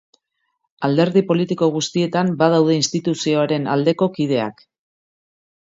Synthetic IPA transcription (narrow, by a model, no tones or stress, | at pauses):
ald̪e̞ɾðipo̞lit̪iko̞ɣ̞ust̪ie̞t̪ambað̞awð̞e̞inst̪it̪usio̞aɾe̞na̰ld̪e̞ko̞kið̞e̞a̰k